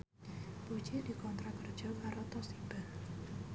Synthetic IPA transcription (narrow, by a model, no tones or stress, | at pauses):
b̥ot͡ʃedikɔnt̪ɾakərd̥ʒ̥ɔkaɾɔt̪ɔsib̥ah